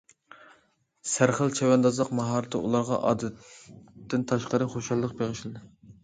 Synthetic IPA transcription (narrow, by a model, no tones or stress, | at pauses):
sæɾχəlt͡ʃʰɛwɛnd̪ɑzlˠəqmɑɦɑːɾt̪ʰɨṵlˠɑɾʁɑ̰ʔɑ̰ːd̪ɛt̪ː | ɪnt̪ʰɑʃqəɾɨχoʃɑlˠːəq̚beʁɪʃlɨd̪ɨ